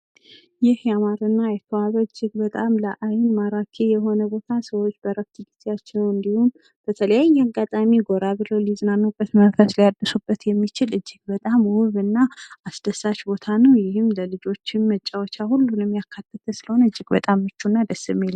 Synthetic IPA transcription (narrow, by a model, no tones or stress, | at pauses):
jɪhjamaɾɨnːajɛk̪ʰəwaβəɨd͡ʒːɪɡbət̪ʼamləʔajnmaɾakʰejɛɦo̞nəbo̞t̪ʰasəwo̞t͡ʃːbəɾəft̪ʰɨɡizejat͡ʃːɛwɨnd̪ihum | b̥ət̪ʰələjajːaɡat̪ʼamiɡo̞ɾabɨlowlizɨnanːukʼət̪mənfəslijad̪ːəsubːət̪jɛmːit͡ʃɪlɨd͡ʒːɪɡ̥̚bət̪ʼamwʊβɨnːaʔasd̪̥əsaʃbo̞t̪ʰanəwjɪhɨmləlɨd͡ʒo̞t͡ʃːɪnmət͡ʃʼːawɔt͡ʃːahulːunɨmjakʰːat̪ʰːət̪ʰəsɨləho̞nəɨd͡ʒːɪɡbət̪ʼamːɨt͡ʃːunːad̪əsɨmelː